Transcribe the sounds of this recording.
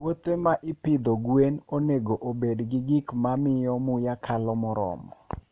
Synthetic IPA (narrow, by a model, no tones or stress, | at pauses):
wot̪emaʔɪpɪd̪ɔɡwenoneɡoʔobedɡɪɡɪkmamɪjɔmʊjakʰalɔmɔɾɔ̰mɔ̰